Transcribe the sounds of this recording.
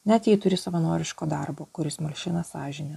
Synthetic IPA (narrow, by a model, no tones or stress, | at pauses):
nʲɛt̪ʲjɛːt̪ʊɾʲɪsɐʋɐnoːɾʲɪʃkoːd̪ɐrboːkʊɾʲɪsmɐlʲʃʲɪnɐsɑːʒʲɪnʲeː